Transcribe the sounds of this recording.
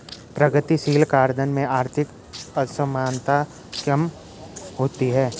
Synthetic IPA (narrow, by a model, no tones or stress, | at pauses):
pɾɐɡət̪isiːlkaːɾd̪ənmẽaːɾt̪ʰɪk | əsəmaːnt̪a | kɐm | ɦoːt̪iɦɛː